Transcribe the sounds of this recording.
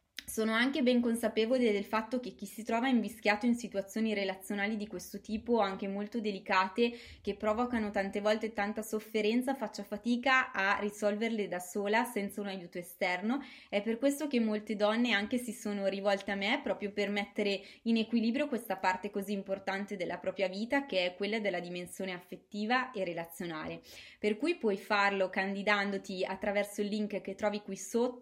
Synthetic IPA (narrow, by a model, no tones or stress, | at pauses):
soːnoaŋkebɛŋkonsapeːvoled̪elfat̪ːok̟ek̟ːisit̪ɾɔːvaiɱvisk̟jaːt̪oinsit̪uwat̪sːjoːniɾelat̪sːjonaːlid̪ikwest̪ot̪iːpoaŋk̟emolt̪od̪elikaːt̪ek̟epːɾɔːvokanot̪ant̪evɔlt̪et̪ant̪asofːeɾɛnt̪safat͡ʃːafat̪iːkaarːisɔlverled̪asoːlasɛnt̪saunajuːt̪oest̪ɛrnoɛpːerkwest̪okemːolt̪ed̪ɔnːeaŋk̟esisoːnoɾivɔlt̪eamːepɾɔːpɾjopermɛt̪ːeɾeinekwiliːbɾjokwest̪apart̪ekoziːmport̪ant̪ed̪elːapɾɔːpɾjaviːt̪ak̟eɛkːwelːad̪elːad̪imensjoːneafːet̪ːiːvaʔerelat̪sːjona̰ːleperkujpwɔjfarlokand̪id̪and̪ot̪iat̪ːɾavɛrsoilːiŋkk̟et̪ːɾɔːvikwisot̪ː